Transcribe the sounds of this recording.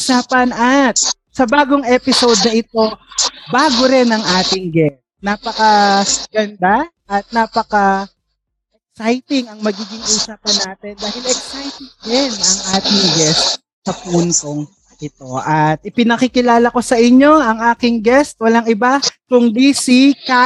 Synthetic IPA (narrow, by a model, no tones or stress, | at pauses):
usaːpɐnɐt̪̚ | sɐbaːɡoŋʔɛːpɪsowd̪̚nɐʔɪt̪o̞baːɡoɾɪnɐŋʔaːt̪ɪŋɡɛst̪̚napɐkɐɡ̥ɐnd̪a | ʔɐt̪̚naːpɐkɐ | ʔɛk̚sajt̪ɪŋɐŋmɐɡiːɡɪŋʔuːsaːpɐnːaːt̪ɛnd̪aːhɪlɛk̚sajt̪ɪŋdɪnɐŋʔaːt̪ɪŋɡɛst̪̚ | sɐpuːnt̪oŋ | ʔɪt̪o̞ʔɐt̪̚ʔɪpɪnɐkikɪlaːlɐko̞sɐʔɪɲːo̞ɐŋʔaːkɪŋɡɛst̪̚wɐlaŋɪbakʊŋd̪isika